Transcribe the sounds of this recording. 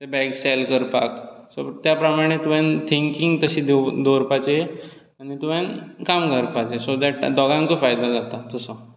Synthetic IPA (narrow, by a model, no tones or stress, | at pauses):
t̪ebɛksɛlkəɾpaksot̪japɾəmaɽ̃et̪uʋjãnt̪ʰiŋkiŋɡt̪əɕiːd̪ed̪oɾpat͡ɕe | aɽ̃it̪uʋjankamkəɾpat͡ɕesod̪ɛʈd̪ɔɡãŋt͡sofajd̪ad͡zat̪at̪əsə